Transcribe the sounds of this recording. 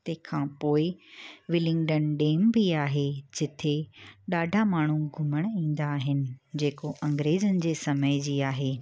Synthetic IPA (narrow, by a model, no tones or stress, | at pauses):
t̪ekʰãːpoːɪʋɪlɪ̃ŋɡɖənɖeːmbiaːɦed͡ʑɪt̪ʰeɗaːɖʱamaːɳ̤̃uɡʱʊməɽ̃ĩːn̆d̪aːɦɪnɪ̆d͡ʑeːkoʔɐ̃ŋɡɾeːzənɪ̆d͡ʑeːsɐməɪd͡ʑiːaːɦeː